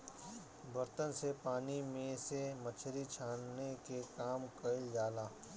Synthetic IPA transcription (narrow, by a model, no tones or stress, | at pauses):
bəɾt̪ənsepaːnimẽsemət͡ʃʰɾit͡ʃʰaːnːekekaːmkəld͡ʒaːlaː